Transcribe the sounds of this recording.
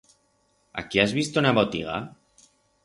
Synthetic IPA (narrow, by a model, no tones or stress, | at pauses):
a̰kiazβist̪unaβot̪iɣ̞a̰